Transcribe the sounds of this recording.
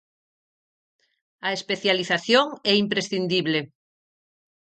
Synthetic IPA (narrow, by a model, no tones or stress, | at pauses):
aespeθjaliθaθjoŋɛimpɾesθind̪iβle